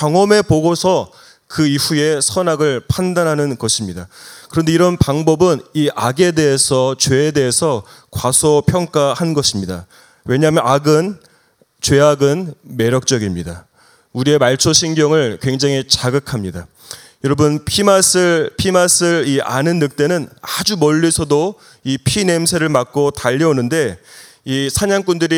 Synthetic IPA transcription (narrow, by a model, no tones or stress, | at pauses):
t͡ɕʌŋʌme̞poɡosʰʌ | kɯiɸue̞sʰʌnaɡɯɭpʰandanɦanɯnɡʌɕʰimɲidakɯɾʌnde̞iɾʌnpaŋbʌbɯniʔaɡe̞de̞ɦesʰʌt͡ɕwe̞ːde̞ɦesʰʌ | kwasʰopʰjʌŋk͈ahanɡʌɕʰimɲida | we̞ɲaɦmjʌnaɡɯn | t͡ɕwe̞aɡɯnme̞ɾjʌk̚t͡ɕ͈ʌɡimɲida | uɾie̞maɭt͡ɕʰoɕʰinɡjʌŋɯɭkwe̞ŋd͡ʑaŋit͡ɕaɡɯkʰamɲida | jʌɾʌbɯnpʰimas͈ɯɾpʰimas͈ʰɯɾia̰nɯnːɯk̚t͈e̞nɯnad͡ʑumʌʎːisʰʌdo | ipʰine̞msʰe̞ɾɯɭmak̚k͈otaʎːʌonɯnde̞ | isʰaɲaŋk͈undɯɾi